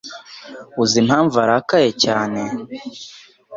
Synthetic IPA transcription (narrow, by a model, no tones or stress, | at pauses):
uzimhaːɱvaɾakajecaːne̞